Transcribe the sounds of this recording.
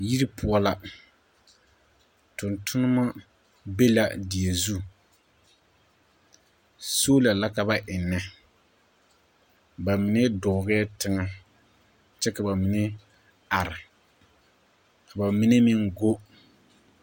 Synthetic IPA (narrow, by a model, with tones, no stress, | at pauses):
ji˦ɾi˦pʊu˨˦ɔ˦la˦ | tʊ˨ntʰʊ˦nɨ˦ma˦ | be˦la̰˦dɪ˨e˨zu˦ | so˦la˨la˦ka˨ba˦ʔɪ˨nːɛ˦ | ba˨mɪ˨nɛ˦dɔ˨ɣɛ˦ɛ˦tɪ˦ŋa˦ | t͡ʃɛ˦ka˨ba˨mɪ˨nɛ˦ | a˨ɾɪ˨ | ka˨ba˨mɪ˦nɛ˦mɪ˦ŋɡo˦